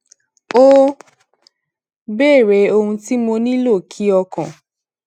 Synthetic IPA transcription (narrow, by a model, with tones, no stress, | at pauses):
o˦ | bɛː˦˨ɾe˨˦o˧hũ˧ti˦mo˧nĩ˦lo˦˨kʰi˨˦ɔ˧kɔ̃˨